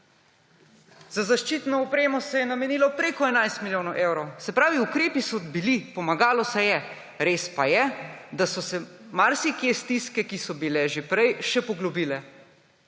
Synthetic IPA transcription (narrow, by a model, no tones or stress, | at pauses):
zazaʃt͡ʃiːt̪nɔɔpɾeːmɔsɛjɛnamɛniːlɔpɾeːkɔɛnajst̪miljoːnɐwʔeːwɾowsɛpɾaːʋiukɾeːpisɔbilipɔmaɡaːlɔsɛjɛ | ɾeːspajɛd̪asɔsɛ | maɾsikest̪iskɛkisɔbilɛʒepɾɛjʃɛpɔɡlɔbilɛ